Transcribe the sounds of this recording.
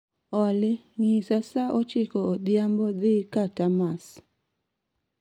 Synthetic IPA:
ɔlɪ | ŋisasaʔɔt͡ʃɪkɔodjambɔd̪ɪkatamas

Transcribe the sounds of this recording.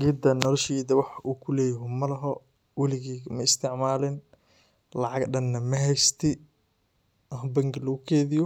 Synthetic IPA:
ɡid̪ɐnɔlɔʃiːd̪ɐwɑħɑʔuːkʰʊlɛːjɦʊmɐlɐɦɔ | wɐlɪɣɛːɡɐmɐɪst̪ʰɪʕmaːlɛn | lɑʕɑɡɖɐnːɐmɐɦɛjst̪ʰɪ | ɦɐbɐŋɡɪlɐɣʊkʰɛːðɪjɔ

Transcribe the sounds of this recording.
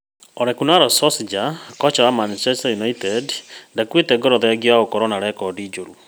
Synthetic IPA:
ɔɾɛkunaɾɔsɔsid͡ʒakɔt͡ʃawamant͡ʃɛstajunaitɛdndakwetɛɡɔɾɔðɛɡiwaokɔɾɔnaɾɛkɔdid͡ʒoɾu

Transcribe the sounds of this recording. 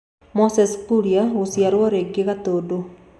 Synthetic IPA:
mɔsɛskuɾiaɣosijaɾwɔɾeɡeɣat̪odo

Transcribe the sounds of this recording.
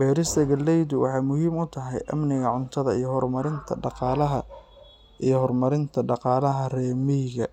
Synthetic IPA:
bɛːɾɪst̪ɐɡɐlɛjd̪ʊwʔɑ̰ħɑjmʊhiːmʊt̪ʰɐɦɛ̰jʔɐ̰mnɪɣɐʕʊnt̪ʰɐðɐijɞhɔrmɐɾɪnt̪ʰɐ̰ɖɑqɑːlɐɦɐ | ijɞhɔrmɐɾɪnt̪ʰɐɖɑqɑːlɐɦɐrɛːmijɣɐ

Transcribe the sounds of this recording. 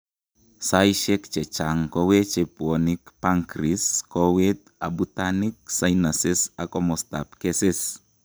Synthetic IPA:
sajʃekt͡ʃet͡ʃaŋkowet͡ʃepuonikpaŋkɾiskowet̪abut̪anik̚sajnasesakʼomost̪apkeses

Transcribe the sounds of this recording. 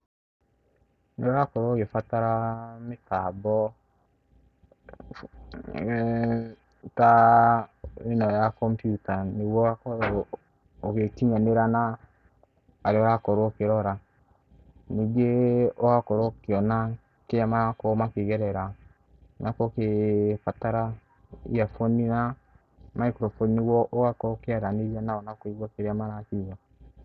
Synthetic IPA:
nɔɾakɔɾokefataɾametabɔ | ta | enɔjakɔmpjutaniwɔakɔɾɔː | kekiɲaneɾana | ɾeɔɾakɔɾokeɾɔɾa | niɡeɔwakɔɾokeɔna | keɾamaɾakɔmakeɣɛɾɛɾa | nakɔkefataɾa | ḭafɔnina | maikɾɔfɔnniwɔʔɔwakɔkeaɾaneɾanaɔnakoiɣɔkeɾeamaɾakiɣa

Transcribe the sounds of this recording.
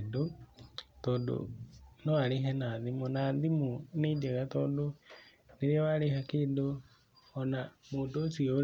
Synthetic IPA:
do | t̪ondo̰noaliɦenaðimunaðimunideɣat̪ondo | niɾiealihakido | onamuːdosio

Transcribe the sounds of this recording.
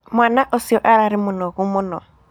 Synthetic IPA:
mwanaʔɔsiɔʔaɾaɾɪmʊnɔɣumʊnɔ

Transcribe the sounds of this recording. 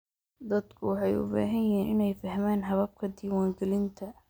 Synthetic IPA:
d̪ɐd̪kʰʊwɑħɑjʊ̰ba̰ːɦɐjɛɦiːnɪnɛjfɐɦmaːnɦɐβɐb̚kʰɐd̪iːwaːŋɡɛlɪnt̪ʰɐ

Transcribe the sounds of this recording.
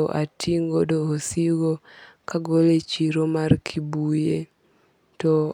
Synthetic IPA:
oʔatʰiŋɡodoːsiɡokaɡolet͡ʃiɾomarkʰibuje | tɔ

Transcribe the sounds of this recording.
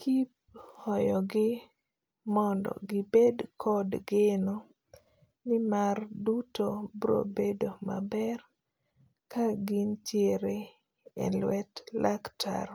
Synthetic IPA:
kʰip̚hɔjɔɡɪ | mɔndɔ̰ɡɪbedkʰɔdɡeno | nɪmardutobɾo̰bedomabɛr | kaɡint͡ʃjeɾe | ḛlwɛtlʔaktʰa̰ɾ

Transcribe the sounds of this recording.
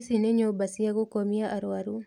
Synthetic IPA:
sinɛɲobasiaɡukomiaʔaɾwaɾu

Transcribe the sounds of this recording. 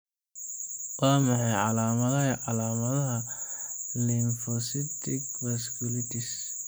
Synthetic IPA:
wɑːmɑħɑjʕɑlaːmɐðɐɐʕɑlaːmɐðɐɦɐ | linfɔsɪt̪ʰɪkfɛskulɪt̪ʰis

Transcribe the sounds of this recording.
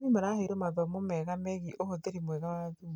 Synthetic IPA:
imaɾaheiɾomaðamomɛɣameɣiʔohoðeɾimwɛɣawaðu

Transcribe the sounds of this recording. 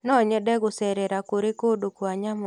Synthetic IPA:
nɔɲɛdɛɡʊsɛɾɛɾakoɾekodokoaɲamɔ

